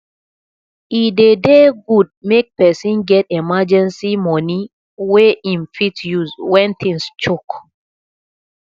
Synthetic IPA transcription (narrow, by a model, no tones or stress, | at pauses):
idedeɡud̚mek̚pɛsĩnɡɛtɛmad͡ʒɛ̃nsimɔ̃ni | weʔĩnfitjuzwɛ̃nt̪ʰĩŋst͡ʃok